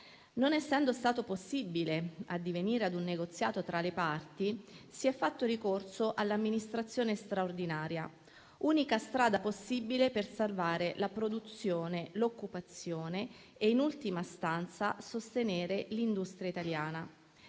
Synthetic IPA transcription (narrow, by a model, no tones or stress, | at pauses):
nonɛsːɛnd̪ost̪aːt̪oposːibilead̪ːiveniːɾead̪unːeɡot̪sːjaːt̪ot̪ɾalepart̪isiɛfːat̪ːoɾikorsoʔalːamːinist̪ɾat̪sːjoːnest̪ɾaord̪inaːɾja | uːnikast̪ɾaːd̪aposːibilepersalvaːɾelapɾod̪ut̪sjoːnelokːupat̪sːjoːne | einult̪imast̪ant̪sasost̪eneːɾelind̪ust̪ɾjait̪aljaːna